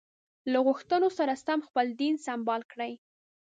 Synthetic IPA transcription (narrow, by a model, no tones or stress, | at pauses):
laɣʊxt̪ənosaɾasamxpəld̪insambɑlkɽəj